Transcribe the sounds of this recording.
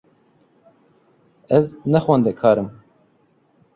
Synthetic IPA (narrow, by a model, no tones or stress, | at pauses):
ɛznɛxwɛnd̪ɛkʰɑːɾɨm